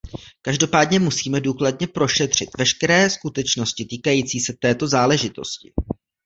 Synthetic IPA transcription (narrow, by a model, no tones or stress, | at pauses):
kaʒdo̞paːdɲɛmusiːmɛduːkladɲɛpɾo̞ʃɛt̪r̝̥ɪt̪vɛʃkɛɾɛːskut̪ɛt͡ʃno̞scɪt̪iːkajiːt͡siːsɛt̪ɛːt̪o̞zaːlɛʒɪt̪o̞scɪ̰